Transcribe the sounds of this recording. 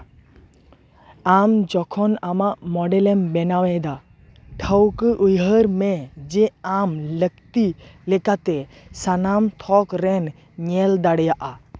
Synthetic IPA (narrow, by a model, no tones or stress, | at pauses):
amd͡ʒɔkʰɔnamaʔmɔɖɛlɛmbɛnawɛd̪a | ʈʰəwkəʔujɦəɾmɛd͡ʒɛamləkt̪ilɛkat̪ɛ | sanamt̪ʰɔkɾɛn | ɲɛld̪aɽjaʔa